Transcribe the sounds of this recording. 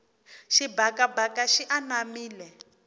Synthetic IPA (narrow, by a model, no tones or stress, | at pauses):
ʃibakabakaʃiʔanamiːlɛ